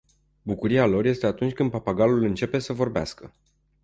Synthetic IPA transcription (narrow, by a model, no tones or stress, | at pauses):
bukuɾialo̞rje̞st̪e̞at̪unt͡ʃʲkɨnd̪̚papaɡalulɨnt͡ʃe̞pe̞səvo̞rbea̰skə